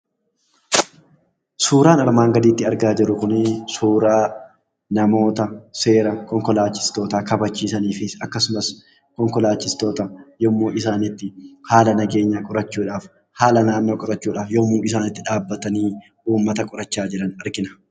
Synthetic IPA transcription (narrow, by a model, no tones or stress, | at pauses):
suːɾaːnɐɾmaːŋɡɐd̪iːt̪ːɪɐɾɡaːd͡ʒɪɾʊkʊnɪsuːɾaː | nɐmo̞ːt̪ɐse̞ːɾɐkɔŋkɔlaːt͡ʃːɪ̥st̪o̞ːt̪aːkɐbɐt͡ʃːiːsɐniːfɪɐkːɐsʊmɐs | kɔŋkɔlaːt͡ʃːɪst̪o̞ːt̪ɐjɔmːoːʔɪsaːnɪt̪ːɪhaːlɐnɐɡe̞ːɲːaːkʼʊɾɐt͡ʃːuːᶑaːf | haːlɐnaːnːo̞ːkʼʊɾɐt͡ʃːuːᶑaːfjɔmːuːnɪs̬aːnɪt̪ːɪᶑaːbːɐt̪ɐniː | ʔuːmːɐt̪ɐkʼʊɾɐt͡ʃːaːd͡ʒɪɾɐnɐɾɡɪnɐ̥